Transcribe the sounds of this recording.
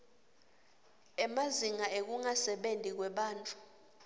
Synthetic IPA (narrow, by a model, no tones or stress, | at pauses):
ɛmaziŋaek̬uŋasɛɓendʱʼik̬wɛɓaːntʼu̥